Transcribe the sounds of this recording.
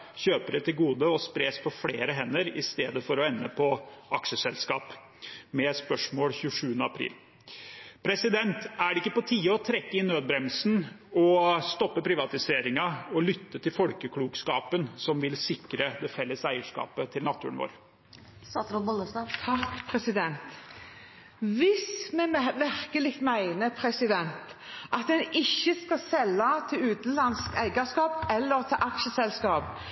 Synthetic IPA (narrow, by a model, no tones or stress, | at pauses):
çøːpəɾət̪ɪlɡuːd̪əɔspɾeːspʰɔfleːɾəɦɛnːəɾɪst̪eːd̪əfɔɾɔɛnːəpʰɔʔɑkʂəsɛlskɑːp | mɛspœʂmoːlçʉːəʂʉːənəɑpʰɾḭːl | pʰɾɛsɪd̪ɛnt̪æɖɛɪkːəpɔt̪ʰiːəɔt̪ʰɾɛkːəɪnːøːd̪̚bɾɛmsn | ɔst̪ɔpːəpʰɾɪʋɑt̪ɪseːɾɪŋɑɔlʏt̪ːət̪ɪlfɔlkəkʰluːɡskɑːpənsɔmʋɪlsɪkɾəd̪ɛfɛlːəsæɪəʂkɑ̰ːpət̪ʰɪlnɑt̪ʰːʉːəɳʋo̰ːɾ | sɑt̪ɾʊbɔləsɑt̪ʰɑkpʰɾɛsɪd̪ɛnt̪ | ʋɪsmɛʋæʁkəlɪɡ̚t̪mæɪnəpʰɾɛsɪd̪ɛnt̪ʔɑt̪d̪ɛnɪçːəskɑsɛlːɑt̪ʰɪlʉːt̪n̩lɑnskæɪɡəskɑːpɛlːəɾt̪ʰɪʔɑkʃəsɛlskɑːp